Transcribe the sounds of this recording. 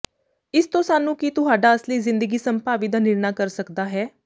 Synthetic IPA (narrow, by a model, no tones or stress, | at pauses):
ɪst̪õːsaːnũːkit̪ʊɦaːɖaːəsliːzɪ̃nd̪əɡiːsəmpaːʋiːd̪aːnɪɾnaːkəɾsəkd̪aːɦɛː